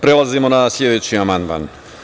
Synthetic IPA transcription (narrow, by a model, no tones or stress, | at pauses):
pɾe̞lˠazimo̞nasʎʲe̞d̪et͡ɕiamand̪ma̰n